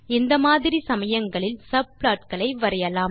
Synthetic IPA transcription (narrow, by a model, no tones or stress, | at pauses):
ɪnd̪ɐmaːðɪɾisɐmɐjɐŋɡɐɭɪlsɐblaːʈ̚kɐɭɐɪʋɐɾɐjɐlaːm